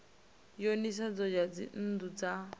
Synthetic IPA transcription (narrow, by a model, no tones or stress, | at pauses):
jonis̬ad͡zɔd͡ʒad͡zḭn̩dud͡za